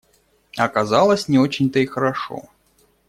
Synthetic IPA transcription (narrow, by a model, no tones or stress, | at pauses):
ɐkɐzalˠəsʲnʲɪot͡ɕɪnʲt̪əixəɾɐʂo̰